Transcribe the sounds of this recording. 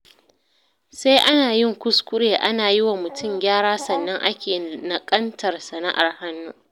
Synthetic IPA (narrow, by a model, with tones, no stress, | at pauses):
se˦jʔa˦naː˨jɪ˦˨ŋkʷʊ˦skʷʊ˦ɽeː˨ʔa˦naː˨ji˦wa˨mʊ˨tʰʊ˦˨mɡʲaː˦ɽaː˦sɐ˨nːɐ˦ŋʔa˦kʲeː˨nɐ˨kʼɐ˦ntʰɐ˨rsɐ˨na˦ʔa˨rha˦nːuː˦